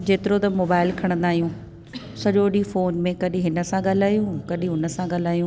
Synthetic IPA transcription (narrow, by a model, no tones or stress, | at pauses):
d͡ʑeːt̪ɪɾot̪ɐmoːbaːɪlkʰɐɽ̃nd̪aːɦijũ | sɐʄoːɗifoːnmẽkɐɗĩɦɪnə̆sãɠal̤aːjũkɐɗĩɦʊnə̆sãɠal̤aːjũ